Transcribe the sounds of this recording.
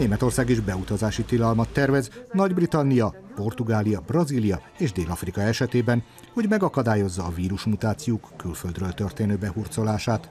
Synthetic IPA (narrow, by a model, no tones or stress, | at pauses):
neːmɛt̪o̞rsaːɡiʒbɛut̪ɒzaːʃit̪ilɒlmɒt̪ːɛrvɛznɒɟbrit̪ɒnːijɒpo̞rt̪uɡaːlijɒbrɒzilijɒ | eːʒd̪eːlɒfrikɒɛʃɛt̪eːbɛn | ho̞ɟmɛɡɒkɒd̪aːjo̞zːɒːviːɾuʃmut̪aːt̪sijoːkːylføld̪røːlt̪ørt̪eːnøːbɛhurt̪so̞laːʃaːt̪